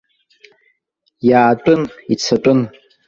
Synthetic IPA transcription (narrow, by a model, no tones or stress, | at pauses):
jaːtʷʼʊnit͡sʰatʷʼʊn